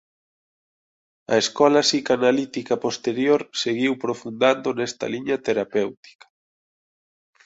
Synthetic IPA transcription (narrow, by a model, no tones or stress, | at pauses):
ɐ̰eskɔlasikanalit̪ikapost̪eɾjoɾseɣiwpɾofund̪and̪onɛst̪ɐ̰liɲɐt̪eɾapewt̪i̥kḁ